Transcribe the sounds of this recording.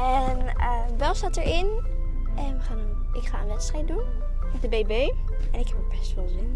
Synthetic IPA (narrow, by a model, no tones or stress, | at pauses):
ɛnən | bɛlˠsatəɹɪn | ʔɛnʋəχaːn | ʔɪkχa̰ːənʋɛtstrɛjt̚dun | mɛdəbebeː | ɛnɪkhɛpəpɛstʋəlˠzɪn